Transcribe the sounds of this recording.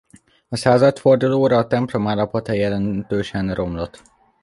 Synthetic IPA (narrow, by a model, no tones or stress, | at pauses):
ɒsaːzɒt̪fo̞rd̪uloːɾɒːt̪ɛmplo̞maːlɒpot̪ɛjɛlɛnt̪øːʃɛnrʔo̞mlo̞t̪